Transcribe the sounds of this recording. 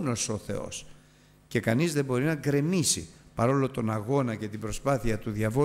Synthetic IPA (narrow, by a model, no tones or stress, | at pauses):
no̞so̞θe̞̰o̞̰s | ce̞kɐnizðe̞bo̞ɾinɐɡɾe̞misḭpɐɾo̞lo̞t̪o̞nɐɣo̞nɐce̞t̪ibɾo̞spɐθiɐt̪uðʝɐvo